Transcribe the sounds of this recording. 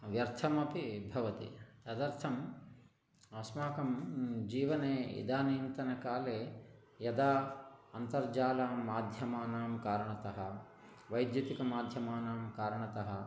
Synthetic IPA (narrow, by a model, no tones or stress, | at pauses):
ʋjɐɾt̪ʰɐmɐpibʱɐʋɐt̪ḭt̪ɐd̪ɐɾt̪ʰɐm | ɐsmaːkɐmd͡ʒiːʋɐneːḭd̪aːniːnt̪ɐnɐkaːleː | jɐd̪aːɐnt̪ɐɾd͡ʒaːlaːmaːd̪ʱjɐmaːnaːmkaːɾɐɳɐt̪ɐɦɐ | ʋɐjd̪jut̪ikɐmaːd̪ʱjɐmaːnaːmkaːɾɐɳɐt̪ɐɦɐ̆